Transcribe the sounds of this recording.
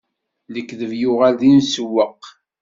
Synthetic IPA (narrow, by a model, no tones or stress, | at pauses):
ləkːðəvjʊʁalðinsəwːəqː